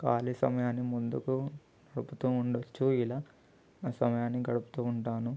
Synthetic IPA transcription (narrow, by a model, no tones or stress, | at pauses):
kaːlisɐ̰mɐjaːnːimund̪uku | nɐɽuput̪uːɳɖot͡ʃːuilaː | naːsɐmɐjaːnːiɡɐɽupu̥t̪uːɳʈaːnu